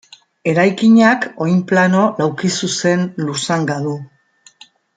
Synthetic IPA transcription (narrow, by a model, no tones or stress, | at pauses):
e̞ɾajkiɲako̞jmplano̞lawkisuse̞nlusaŋɡaðu